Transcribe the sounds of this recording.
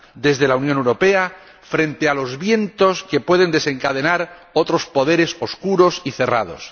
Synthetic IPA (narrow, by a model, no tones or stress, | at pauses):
d̪e̞zðe̞launjonewɾo̞pe̞a | fɾe̞nt̪ealo̞zβje̞nt̪o̞ske̞pwe̞ð̞e̞nd̪e̞se̞ŋkað̞e̞naɾo̞t̪ɾo̞spo̞ð̞e̞ɾe̞so̞skuɾo̞siθe̞ra̰ðo̞̰s